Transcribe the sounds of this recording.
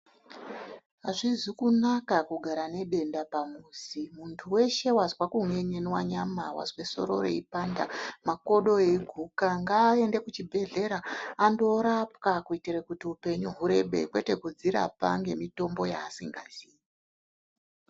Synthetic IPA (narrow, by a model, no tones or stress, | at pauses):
ɦaʐizikunakakuɡʱaɾane̞ɓe̞ndapamusimuntʰuwe̞ʃe̞wazwakuŋe̞ɲenwaɲama̰wa̰zweso̞̰ɾo̰ro̰ipandamako̞ɗo̞eiɡʱukaŋɡaːe̞nde̞kut͡ʃibʱe̞ɮe̞ɾaːndo̞ɾapkakuitirakutiupe̞ɲuɦuɾe̞ɓe̞̰kwe̞te̞kud͡ziɾa̰pa̰ŋɡe̞mito̞mbo̞ja̰ːsiŋɡaziːi